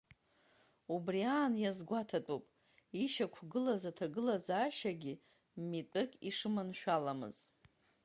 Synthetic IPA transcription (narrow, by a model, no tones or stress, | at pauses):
ubriaːnjazɡʷatʰatʼupʼ | iʃakʷʰɡɨlazatʰaɡɨlazaʃaɡʲi | mitʷʼɨkʼiʂɨmanʃʷᶣalamɨ̰z̥